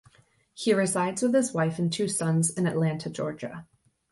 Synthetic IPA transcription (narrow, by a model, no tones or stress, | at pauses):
hiɹɨzaɪdzwəð̥ɨzwaɪfɨ̃n̩tʰʉsʌ̃nzɨ̃nɨʔˡlæ̃ntʰɨd͡ʒɔɹd͡ʒɨ̰